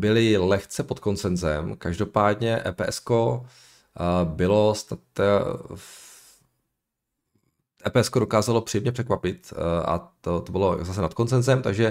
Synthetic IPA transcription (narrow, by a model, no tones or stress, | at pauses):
bɪlɪlɛxt͡sɛpo̞t̪ko̞nsɛnzɛmkaʒdo̞paːdɲɛʔɛ̰ːpɛːʔɛsko | bɪlo̞snat̪a | ɛːpɛːʔɛskodo̞kaːzalo̞pr̥ijɛmɲɛpr̝̥ɛkvapɪt̪ʔa̰t̪ot̪obɪlozas̬ɛnat̪̚ko̞nsɛnzɛmt̪aɡʒɛ